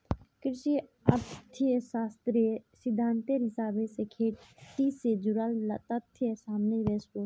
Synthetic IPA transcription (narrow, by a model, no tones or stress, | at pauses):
kɾɪʃi | ɐt̪t̪ʰieʃaːst̪ɾiesɪd̪ʱːaːnt̪eɾɪsaːbesekʰeːʈʈised͡ʒuɾallɐt̪ɐt̪ʰːjesaːmneʋesos